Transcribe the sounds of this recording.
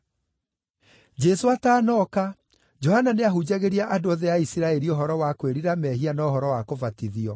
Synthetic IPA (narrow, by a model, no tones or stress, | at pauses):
d͡ʑɛsoataːnɔka | d͡ʒɔhananeaɦud͡ʑaɣeɾiaʔadoɔðɛaisiɾaɛɾioɦɔɾɔwakweɾiɾamɛɦianaoɦɔɾɔwakovatiðiɔ